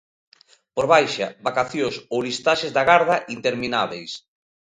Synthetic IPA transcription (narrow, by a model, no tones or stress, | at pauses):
poɾβajʃabakaθjosowlist̪aʃezðaɣaɾð̞aʔint̪eɾminaβejs